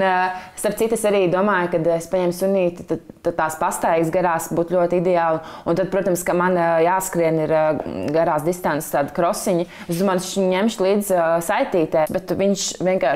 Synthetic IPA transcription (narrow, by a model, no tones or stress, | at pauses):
st̪aɾp̪̚sit̪ːesaɾiːd̪uɔmaːjkad̪espaɲɛmsunʲiːt̪t̪at̪at̪ːaːspast̪aiːɡsɡaɾaːsbuːt̪lʎʲuɔt̪id̪ɛaːlˠunt̪ad̪̚pɾuɔt̪amskamanjaːskɾiɛniɾɡaɾaːsd̪ist̪anst̪aːd̪kɾɔsiɲi | esd̪umaːnʃiɲɲɛmʃlˠiːd̪zsajt̪iːt̪ɛbɛt̪ʋiɲʃʋiɛŋkaː